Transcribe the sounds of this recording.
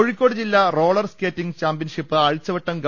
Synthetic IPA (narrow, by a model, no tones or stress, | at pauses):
oɻikʲːo̞ːɽɨd͡ʑilːɐro̞ːɭɐrskeːtːiŋɡt͡ɕaːmpbjɐnʂipːɨɐɻit͡ɕːɐʋɐʈːɐmɡ